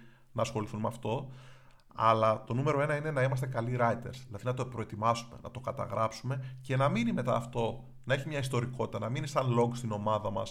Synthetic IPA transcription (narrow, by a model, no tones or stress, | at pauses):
nɐːsxo̞liθunmeɐft̪o̞ | ɐ̰lɐt̪o̞nume̞ɾo̞e̞nɐine̞nɐimɐst̪e̞kɐliɾɐit̪e̞̰ɾsðilɐðinɐt̪o̞pɾo̞e̞t̪imɐsume̞̰nɐ̰t̪o̞kɐt̪ɐ̰ɣɾɐpsume̞ce̞nɐminime̞t̪ɐ̰ːft̪o̞ | nɐeçimɲɐist̪o̞ɾiko̞t̪i̥t̪ɐnɐminisɐnlo̞ŋɡst̪ino̞mɐðɐmɐ̰s